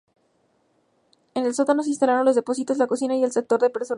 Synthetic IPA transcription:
ene̞lso̞t̪ano̞s̬inst̪alaɾo̞nlo̞zðe̞po̞sit̪o̞zlako̞sinaie̞lse̞k̚t̪o̞ɾðe̞pe̞ɾso

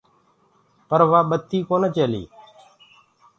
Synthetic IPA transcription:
pəɾʋaːɓət̪ːiːkoːneːt͡ʃeːlḭː

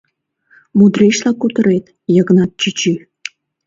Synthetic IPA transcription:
mud̪rʲeʃlɑkut̪ə̆ɾet̪ | jɤ̆ɣənɑt̪̚t͡ɕit͡ɕi

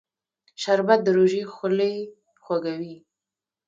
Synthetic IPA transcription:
ʃaɾbat̪̚d̪əɾoʒixʊləj | xwaɡawi

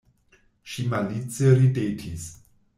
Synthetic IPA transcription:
ʃimalit͡seɾidetʰis

